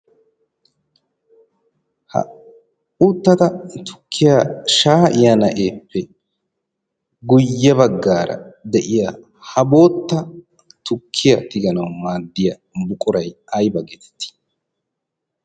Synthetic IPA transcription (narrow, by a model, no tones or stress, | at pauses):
hɐ̰ | uːt̪ːɐt̪ɐt̪ʰʊ̥kʰːɪjaʃaːʔɪjɐnɐʔeːpːɛ | ɡʊjːɐbɐɡːaːɾɐ̰d̪ɛʔɪja | hɐbo̞ːt̪ːɐ | t̪ʊkʰːɪjɐ̰t̪ɪɡɐnɐwmaːd̪ːɪjɐ | bʊkʼʊɾɐjɐjbɐɡɛt̪ɛ̥t̪ːɪ̥